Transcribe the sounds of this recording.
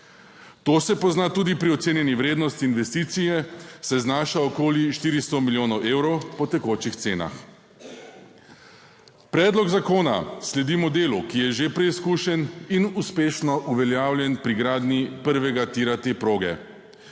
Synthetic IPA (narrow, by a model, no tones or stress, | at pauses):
t̪oːsɛpɔznaːt̪uːd̪ipɾiɔt̪seːnjɛniʋɾeːd̪nɔst̪iːnʋɛst̪iːt̪sijɛsɛznaːʃaɔkoːliʃt̪iːɾist̪ɔmiljoːnɔwʔeːwɾɔwpɔt̪ɛkoːt͡ʃixt̪seːna̰x | pɾɛːd̪lɔɡzakoːna̰slɛd̪iːmɔd̪eːlukijɛʒepɾɛiskuʃɛninuspeːʃnɔʔuʋɛljaːwljɛnpɾiɡɾaːd̪nipəɾʋɛɡat̪iːɾat̪epɾoːɡɛ̰